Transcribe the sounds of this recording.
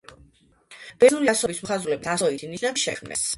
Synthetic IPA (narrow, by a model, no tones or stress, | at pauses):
b̥ɛnuliasɔbismχazulɛbiasɔit̪ʰiniʃnanʃɛ̰kʰmnɛ̰s